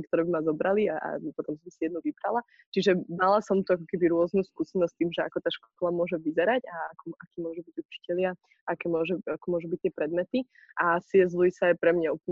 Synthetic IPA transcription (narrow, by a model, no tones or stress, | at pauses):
kt̪ɔɾɛːbimazɔbɾaliaa̰pɔt̪ɔmsɔmɛsijɛd̪nuʋibɾa̰la | t͡ʃiʒɛdalasɔmt̪uakɔkɛbiɾʊɔznuskuːsɛnɔs̚t̪iːmʒɛa̰kɔt̪aːʃkɔlamʊɔʒɛʋizɛɾaɟaakɔakiːmʊɔʒubiɟut͡ʃi̥cɛlɪa | akɛːmʊɔʒɛakɔmʊɔʒubic̚t̪ːɪɛpɾɛd̪mɛt̪i | ʔasiɛzlujisajpɾɛmɲaupɲ